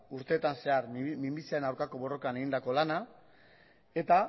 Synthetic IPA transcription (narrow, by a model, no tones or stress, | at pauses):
uɾt̪e̞ːt̪anse̞aɾmimbisiaɾenawɾkako̞βo̞ro̞kane̞ɣind̪ako̞lana | e̞t̪a